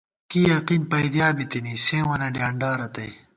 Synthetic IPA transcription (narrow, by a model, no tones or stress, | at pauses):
kiːjɐqiːnpɐjd̪jaːbit̪inisẽːwɐnɐɖjaːɳɖaːɾɐt̪ɐ̰j